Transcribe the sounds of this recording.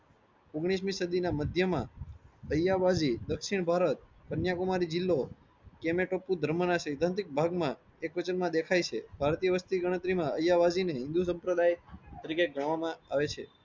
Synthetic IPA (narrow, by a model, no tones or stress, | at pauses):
oɡɽ̃is̬mĩsəd̪inaməd̪ʱjəmãəjaʋad͡ʒid̪əkʃiɳbʱaɾət̪̚ | pənjakumaɾid͡ʒɪlːo | kemeʈopːud̪ʱəɾmənaʃʰeɪd̪ʱãnt̪ɾik̚bʱaɡmã | ekʋət͡ʃənmãd̪ekʰajt͡ʃʰḛbʱaɾt̪ijəʋəst̪iɡəɽ̃ət̪ɾimãəjaʋad͡ʒineɦɪ̃nd̪us̬ə̃mpɾəd̪ajt̪əɾikeɡəɽ̃ʋamãaʋet͡ʃʰḛ